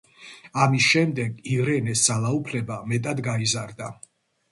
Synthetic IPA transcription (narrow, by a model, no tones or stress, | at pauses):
amisʃɛmd̪ɛɡivɾɛnɛssalˠaupʰlɛbamɛt̪ʼad̪ɡaizaɾd̪a